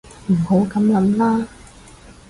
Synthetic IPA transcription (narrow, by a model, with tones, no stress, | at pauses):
m̩˨˩ho˨˥wkɐ˨˥mjɐ˨˥mlaː˥